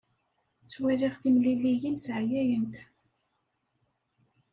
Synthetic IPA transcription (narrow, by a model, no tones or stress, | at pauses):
t͡sːwæliʁθimlilijinsʕjæjənt̪